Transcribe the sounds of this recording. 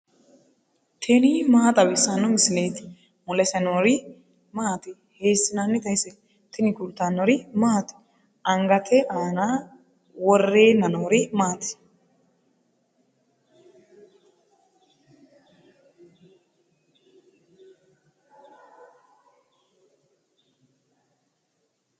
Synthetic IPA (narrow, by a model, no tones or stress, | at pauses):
t̪ʰɛnɪmaːt̪ʼɐbɛsːɐnːɔmɪsɪneːt̪ɪ̥ | mʊlɛsɛnoːɾɪ | maːt̪ɪ | heːsːɪnanːɪt̪ɐjsɛ | t̪ʰɪnɪkʊlt̪ːanːɔɾɪmaːt̪ɪ̥ | ɐŋɡɐt̪ʰɛʔaːna | wɔrːeːnɐnoːɾɪmaːt̪ɪ̥